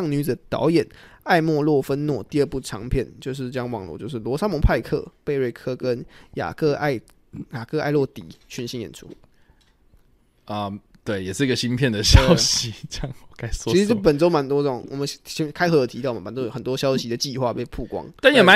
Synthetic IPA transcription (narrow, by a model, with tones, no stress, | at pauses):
ɑ˥˩ŋny˧˥d͡z̩˨˩t̪ɑ̰˧˥ʊjɛ˨˩˦na˥˧ɪmwɔ˥˧lwɔ˥˩fə˦nnwɔ˥˩t̪i˥˧ə˞˥˧pu˥˩ʈ͡ʂʰɑ˧˥ŋpʰjɛ˥˩nt͡ɕjo˥˧ʊʂ̬ɻ̩˥˧ʈ͡ʂjɑ˥ŋwɑ˨˩ŋlwɔ̰˧˦t͡ɕjo˥˧ʊʂɻ̩˥˩lwɔ˧˥sa˥ŋmɔ˧˥ŋpʰa˥˧ɪkʰɤ̰˥˨pe˥˧ɪɻe˥˩ɪkʰɤ˥kə˦˥nja̰˨˩kɤ˥˧a˥˩ɪ | ja˨˩kɤ˥˧a˥˧ɪlwɔ˥˩t̪ḭ˨˩˦t͡ɕʰy˧˥nɕi˧˥njɛ̰˨˩nʈ͡ʂʰṵ˥ | ə˧ | t̪we˥˩ɪjɛ˨˩ʂɻ̩˥˩i˧˥ɡə˨˩ɕi˦˥npʰjɛ˥˨˩nd̪ə˨ɕjɑ˥˦ʊɕi˨˦t͡ɕɑ˥˧˦ŋ˨˩ka˥ɪsɔ˥˧i˧ʂpə˨˩nt͡so˥ʊma˧˥nt̪wɔ˥t͡sə˥˩o˨˩ŋwɔ˨˩mə˦n˥ɕɛ˥kʰa˥ɪxɤ˧˥d̪ə˨t̪ʰi˧t̪ɑ˥˩ʊ˨m˨˩pa˨˩nt̪o˥˨˩xə˨˩nt̪wɔ˥ɕjɑ˥ʊɕi˧˥d̪ə˨t͡ɕi˥˧xwa˥˧pe˥˧ɪpʰu˥˩kwɑ̰˥ŋt̪a˥˩njɛ˨˩ma˧˦